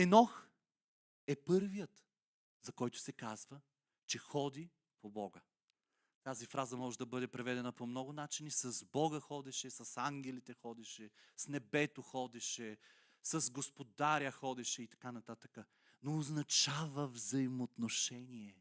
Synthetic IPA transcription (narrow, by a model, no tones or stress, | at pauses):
ɛnɔx | ɛpɤɾvijət̪ | zɐkɔjt̪ʊ̥sɛkazvə | t͡ʃɛxɔd̪i | pobɔɡə | t̪azifɾazɐmɔʒɛd̪ɐbɤd̪ɛpɾɛvɛd̪ɛnɐpomnɔɡʊnat͡ʃinisɐzbɔɡəxɔd̪ɛʃɛsɐsaŋɡʲɛlit̪ɛxɔd̪ɛʃɛsnɛbɛt̪oxɔd̪ɛʃɛ | sɐzɡospod̪aɾʲəxɔd̪ɛʃɛit̪ɐ̥kanɐt̪at̪əkə | noːznɐt͡ʃavəvzɐimot̪noʃɛniɛ